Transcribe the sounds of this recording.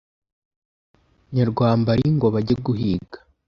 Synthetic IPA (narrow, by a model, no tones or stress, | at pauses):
ɲaɾɡwaːmbaɾiŋɡo̞βaɟeɡuɦiːɡḁ